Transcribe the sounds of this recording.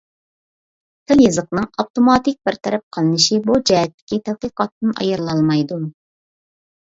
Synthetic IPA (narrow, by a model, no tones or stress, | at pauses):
t̪ʰɪljɨzəqnɨŋɑpt̪omɑt̪ɪk̚ʲbɪɾt̪ʰɛɾɛp̚qʰəlˠɨnɨʃibud͡ʒɛɦɛt̪ːɪ̥kʲit̪ʰæd̪̚qəqɑt̪ːɨnɑ̰jɨɾlˠɑlˠmɑjd̪u